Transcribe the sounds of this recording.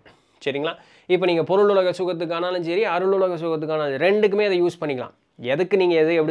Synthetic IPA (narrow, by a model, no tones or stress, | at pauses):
sɐɾɪŋɡɐɭaː | ɪpːoːniːŋɡɐpɔɾɯɭɯɭɐɣɐsʊɣɐt̪̬ːɯk̬ːaːnaːlɯɲsɐɾiɐɾɯɭʊɭɐɣɐsʊɣɐt̪̬ːɯkːaːnaːlɯɾɛɳɖɯk̬ːɯmeːɐðɐjuːspɐɳːɪkːɐlã̰ː | ɛðɯkːɯniːŋɡɐɛðɯɛpɐɽ